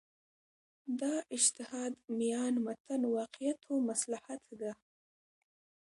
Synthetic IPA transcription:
d̪ɑʔɪd͡ʒt̪ɪhɑd̪mijɑnmat̪ʰanwɑqɪjat̪ʰomaslahat̪d̪a

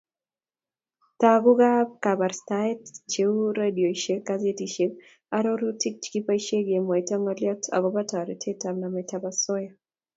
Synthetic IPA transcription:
taɡʊɡab̚kabarstaɛtt͡ʃeuɾadioiʃekazetiʃeb̚ | aɾoɾutik̚t͡ʃkipaiʃeɡemwɔitɔŋɔljɔtʰa̰ɡɔbatɔɾitʰetamnamɛtabasɔja

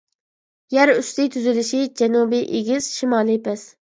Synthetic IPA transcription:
jæɾyst̪ɪt̪ʰyzɪlɪʃid͡ʒɛnubiʔeɡʲiz̥ʃimɑːlˠɨpʰɛs

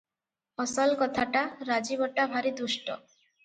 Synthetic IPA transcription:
ɔsɔlkɔt̪ʰaʈaɾad͡ʒibɔʈabʱaɾid̪uʃʈɔ

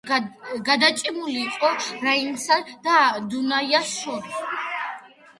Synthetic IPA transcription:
ɡad̪at͡ʃʼimuliːqʼɔɾainsad̪̥ad̪unajaʃɔ

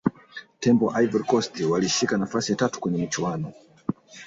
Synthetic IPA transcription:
tɛmbɔʔaivɛɾkɔstiwaliʃikanafasijatatu̥kwɛɲɛmit͡ʃuwanɔ

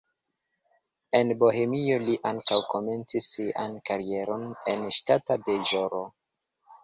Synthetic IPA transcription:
e̞nbo̞ɦe̞mio̞liʔaŋkawko̞me̞nt͡sisːia̰nkaɾie̞ɾo̞ne̞nʃtatadeʒoɾo

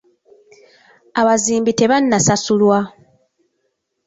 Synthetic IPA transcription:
aβaziːmbite̞βanːasasulwa

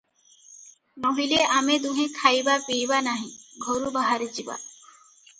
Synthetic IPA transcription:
noɦileʔamed̪uɦẽkʰajbapiːbanaɦĩɡʱoɾubaɦaɾit͡ʃiba̰

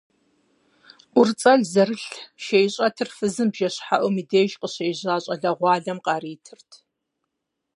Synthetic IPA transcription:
ʔʷʊrt͡sʼɐɮzɐrɨɬʃejɕʼɐtʰɨrfɨzɨmbʒɐɕħaʔʊmideːʒqəɕejʑaːɕʼɐɮɐʁʷɑːɮɐmqɑːɾiːtʰɨrtʰ

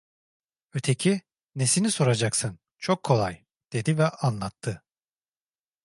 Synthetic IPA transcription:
øt̪ʰe̞cʰi | ne̞siniso̞ɾad͡ʒaksɯn | t͡ʃʰokʰːo̞lˠaj | d̪̥e̞d̪ivɛʔanlˠat̪ʰːɯ

